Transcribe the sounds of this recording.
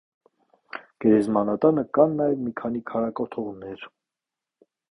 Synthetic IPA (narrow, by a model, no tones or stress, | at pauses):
ɡ̥ɛɾɛzmɑnɑt̪ɑnəkɑnːɑjɛvmikʰɑnikʰɑɾɑkɔt̪ʰɔʁnɛɾ